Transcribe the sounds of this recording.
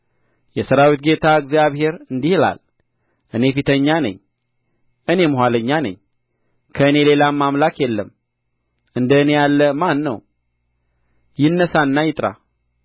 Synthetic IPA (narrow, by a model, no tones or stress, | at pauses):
jɛsəɾawit̪̚ɡe̞t̪ʰaɨɡzijaβhe̞ɾɨnd̪ihla̰l | ʔɨne̞fit̪ʰəɲːanə̰ɲː | ʔɨne̞mɨɦʷaləɲːanə̰ɲː | kʰəɨne̞le̞lamːamlakjɛlːəm | ʔɨnd̪əne̞jalːəmanːə̰w | jɪnːəsanːajɪt̪ʼɾa̰